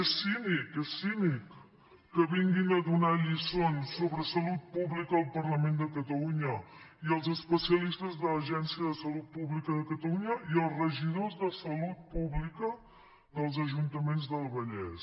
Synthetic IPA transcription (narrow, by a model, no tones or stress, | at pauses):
ɛsinikɛsinikː | əβiŋɡinəðunaʎisonsːoβɾəsəlut̪̚puβlikəəlˠpərləmend̪əkət̪əluɲəiəlˠzəspəsiəlist̪əzðələʒɛnsiəðəsəlut̪̚puβlikəðəkət̪əluɲəiəlˠrəʒiðozðəsəlut̪̚puβlikə | ðəlˠzəʒunt̪əmenzðəlˠβəʎɛ̰s